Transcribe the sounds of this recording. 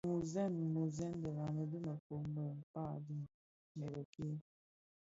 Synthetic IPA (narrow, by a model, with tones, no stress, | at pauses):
mu˨zɛ˦˨n˨mo˨zɛ˦n˦də˨la˨nə˨də˦mə˨ko˨m˦bə˨m̩˨pa˦˨di˦ | nə˨bə˨ki˦